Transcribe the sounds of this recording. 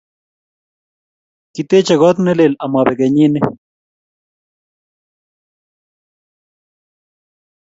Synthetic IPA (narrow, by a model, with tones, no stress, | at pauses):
ki˨t̪e˦t͡ʃe˨ɣɔ˦t̪ne˦le˨la˨ma˨βe˨ɣe˨ɲi˦ne˦